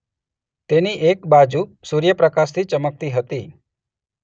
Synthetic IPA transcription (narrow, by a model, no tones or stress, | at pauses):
t̪eniʔekbad͡ʒuːsuɾjəpɾəkast̪ʰiːt͡ʃəmək̚t̪iːɦət̪iː